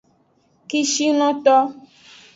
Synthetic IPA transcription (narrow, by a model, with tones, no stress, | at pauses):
ki˦ʃi˦nɔ̃˦t̪ɔ˦